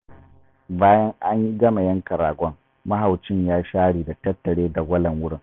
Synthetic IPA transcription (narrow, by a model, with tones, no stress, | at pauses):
baː˦jɐ˦ŋʔa˦ɲji˦ɡɐ˦ma˨jɐ˦ŋkɐ˨ɾaː˨ɡʷɔ˦ŋ | mɐ˦ɦa˨wt͡ʃɪ˦ɲjaː˦ʃaː˦ɽiː˨da˨tɐ˦tːɐ˨ɽeː˦da˨ɡʷɐ˦lɐ˨ŋwʊ˦ɽɪ˦˨ŋ